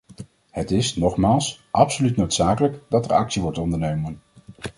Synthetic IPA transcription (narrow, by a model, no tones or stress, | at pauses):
hətɪsnɔχmaːlˠsʔɑpsolytnowtsaːkələkdɑtɛɹɑ̰ksiʋɔɹtɔndəɹnoɥmən